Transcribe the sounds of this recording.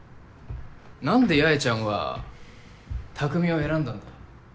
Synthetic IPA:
nãnd̪e̞jaet͡ɕãɰ̃βa̰ | t̪ʰakɯ̟mʲio̞e̞ɾãnd̪ãnd̪a

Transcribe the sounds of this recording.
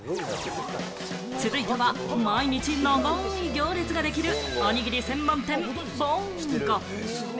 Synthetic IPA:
sɨɾɯit̪eβa | maiɲit͡ɕinomaiɡʲoːɾʲet͡sɨɡad̪e̞kʲiɾɯaɲiɡʲiɾʲisẽ̞mːãnt̪ẽ̞m | bo̥ | ko

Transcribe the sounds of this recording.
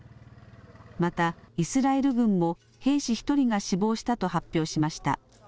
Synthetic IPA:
mat̪aisɨɾae̞ɾɯ̟ɡɯ̟̃mːo̞ | he̞ːɕiçi̥t̪o̞ɾʲiɡaɕibo̞ːɕi̥t̪at̪o̞hapʲːjo̞ːɕimaɕi̥t̪a̰

